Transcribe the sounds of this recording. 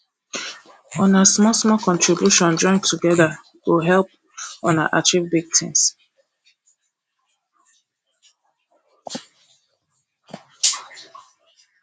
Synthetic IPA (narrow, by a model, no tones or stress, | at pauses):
ɔ̃nasmɔsmɔkɔ̃ntɹibjuʃɔ̃nd͡ʒɔ̃ɪ̃ntʰuɡɛða | woɦɛlp̚ | ɔ̃na̰ʔat͡ʃivbiɡ̚tʰḭ̃ns